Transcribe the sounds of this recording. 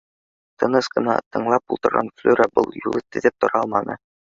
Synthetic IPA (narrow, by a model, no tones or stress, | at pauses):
t̪ɤ̆nɤsqɤ̆nɑt̪ɤ̆ɴlˠɑpulˠt̪ɤ̆ɾʁɑ̰nflʲuɾæbɤ̰lˠjṵlˠɤt̪ɘ̆ðɘp̚t̪ŏɾɑlˠmɑnɤ̰